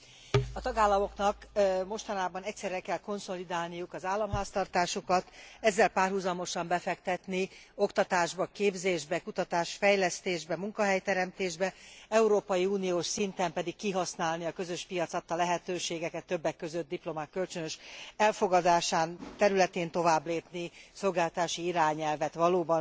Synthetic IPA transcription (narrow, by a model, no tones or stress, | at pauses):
ɒt̪ɒɡaːlːɒmo̞knɒkmo̞ʃt̪ɒnaːbɒnɛcʲsɛrːɛkɛlko̞nso̞lid̪aːlnijukɒzaːlːɒmɦaːst̪ɒrt̪aːʃokɒt̪ɛzːɛlpaːrɦuzɒmo̞ʃɒmbɛfɛkt̪ɛt̪nio̞kt̪ɒt̪aːʒbɒkeːbzeːʒbɛkut̪ɒt̪aːʃfɛjlɛst̪eːʒbɛmuŋkɒɦɛjt̪ɛɾɛmt̪eːʒbɛɛuɾoːpɒjiuːnijoːʃsint̪ɛmpɛd̪ikːiɦɒsnaːlniɒkø̞zøʃpijɒt̪sɒt̪ːɒlɛɦɛt̪øːʃeːɡɛkɛt̪ːøbːɛkːøzøt̪̚d̪iplo̞makːølt͡ʃønøʃɛlfo̞ɡɒd̪aːʃaːnt̪ɛɾylɛt̪eːnt̪o̞vaːbleːpniso̞lɡaːlt̪ɔt̪aːʃiiɾaːɲɛlvɛt̪ʋɒloːbɒn